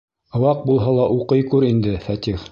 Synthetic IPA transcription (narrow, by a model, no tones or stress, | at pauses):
ɤ̆wɑq̚bulˠɦɑlˠɑʔuqɤjkʉɾind̪ɘfæt̪ʲiχ